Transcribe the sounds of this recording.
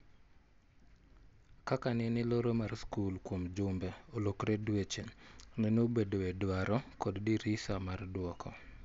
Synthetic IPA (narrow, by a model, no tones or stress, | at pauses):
kakanɛnɪloɾomarskulkwomd͡ʒʊmbɛolokɾɛdwet͡ʃennenobedoɛdwaɾɔkɔddiɾisamardwɔkʰɔ